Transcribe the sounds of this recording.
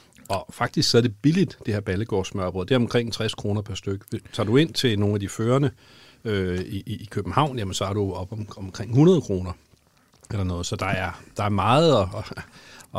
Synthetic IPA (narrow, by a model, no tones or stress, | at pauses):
ɒ̽fɑ̈ɡ̥̚d̥isɡ̥sɒðɐd̥e̝b̥ilid̥d̥e̝heɐb̥æləɡ̥ɒ̰ːsmæɒb̥ʁɔ̽ð̩ˠd̥eɐɒmkʰʁeŋ̰t͡sʰʁɛskʰʁo̝ːnɐpʰæɐsd̥øɡ̥əʋet͡sʰɑ̰̈ːdue̝n̰t͡sʰe̝no̝ːnæd̥iføːɐnə | øiʔiːkʰøb̥m̩hɑ̈ʊ̰njæmənsɒ̽æɐɾ̥uɒ̽b̥ɒmkʰʁeŋ̰hunɐð̞ˠkʰʁo̝ːnɐ | elɐnɔ̽ːðˠsɒ̽d̥ɑ̈æɐd̥ɑ̈æɐmɑ̈ːð̩ˠɒ̽